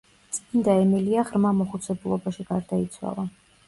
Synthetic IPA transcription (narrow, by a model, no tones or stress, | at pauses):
t̪sʼmind̪aɛmiliaʁɾmamɔχut̪sʰɛbulˠɔbaʃiɡaɾd̪ait̪sʰwa̰lˠa